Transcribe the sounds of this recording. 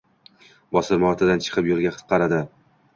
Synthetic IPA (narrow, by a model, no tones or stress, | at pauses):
bɒsɪɾmɒɾt̪ʰɪd̪ant͡ʃʰɨ̥qʰɨpjʊɾɡʲaqʰɨ̥t̪̚qʰɑɾad̪ɪ